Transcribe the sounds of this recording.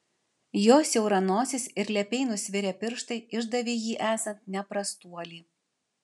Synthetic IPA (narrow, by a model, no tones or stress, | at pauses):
joːsʲjɛʊɾɐnoːsʲɪsɪɾlʲɛpʲɛɪnʊsʲʋʲɪɾʲɛpʲɪɾʃt̪ɐɪɪʒd̪ɐʋʲiːjiːʔæːsɐnt̪nʲɛpɾɐst̪uɔlʲiː